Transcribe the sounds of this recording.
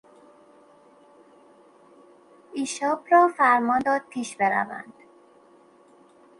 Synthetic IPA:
iʃɒːbɾɒːfæɾmɒːnd̪ɒːd̪̚pʰiːʃbeɾæ̰væ̰nd̪̥

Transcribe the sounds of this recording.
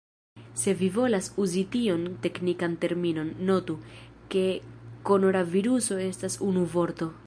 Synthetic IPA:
se̞vivo̞lasuzitio̞nte̞knikante̞ɾmino̞nːo̞tu | ke̞ko̞no̞naviɾuso̞e̞stasunuvo̞ɾto̞

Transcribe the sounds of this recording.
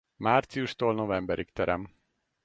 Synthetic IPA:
maːrt̪sijuʃt̪oːlno̞vɛmbɛɾikt̪ɛɾɛ̰m

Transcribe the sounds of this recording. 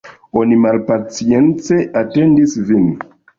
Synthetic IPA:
o̞nimalpat͡sie̞nt͡se̞ʔate̞ndisvin

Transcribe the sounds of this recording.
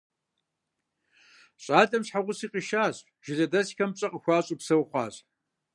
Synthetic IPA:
ɕʼaːdʼɐmɕħaʁʷʊsiːqiʃaːɕʼ | ʒ̥ɪzɐdɐsxɐmpɕʼɐqʼəxʷɑːɕʼupsɐwχʷɑ̰ːɕ

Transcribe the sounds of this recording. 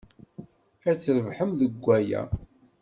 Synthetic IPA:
æt͡sːɾəvħəmðəɡʷːæjæ̰

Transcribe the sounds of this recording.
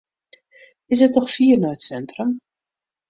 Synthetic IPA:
ɪs̬ətnɔχfiːrnaətsɛntrəm

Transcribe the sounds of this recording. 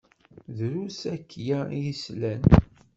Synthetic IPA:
ðɾusækːjæjislæn

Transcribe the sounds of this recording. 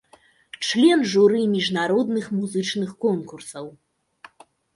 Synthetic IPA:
t͡ʂlʲɛnʐuɾɨmʲiʐnaɾɔd̪nɨxmuzɨt͡ʂnɨxkɔnkursɐw

